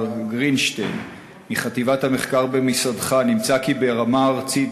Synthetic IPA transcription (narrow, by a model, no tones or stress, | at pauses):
ɡʁinʃten | miχat̪ivathameχkaʁbemisadχanimt͡sakibeʁamaːʁt͡sit